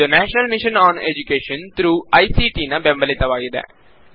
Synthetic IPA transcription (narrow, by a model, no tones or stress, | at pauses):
ənɛːʃnəlmɪʃənɔːnḛd͡ʒukeːʃə̃nt̪ɾuːaːiːsiːʈiːnaːbɛ̃mbəleːt̪əʋaːɡid̪ɛ̰̃ː